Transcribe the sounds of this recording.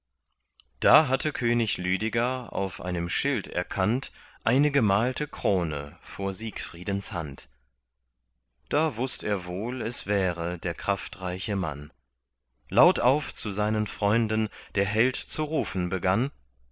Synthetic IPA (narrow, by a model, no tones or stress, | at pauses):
d̥aːɦatʰəkʰøːnɪçlyːdɪɡaa̰ʊfʔa̰ɪnəmʃɪltɛ̰ɐkʰantʔaɪnəɡəmaːltʰəkʁ̥oːnə̰foːɐziːkfʁ̥iːdn̩sha̰nt | d̥aːvʊstʔeːɐvoːlɛsv̥ɛːʁədeːɐkʁ̥aftʁaɪçəma̰n | laʊtʔaʊft͡suzaɪnənfʁ̥ɔʏndn̩d̥eːɐɦɛltt͡suʁuːfn̩bəɡan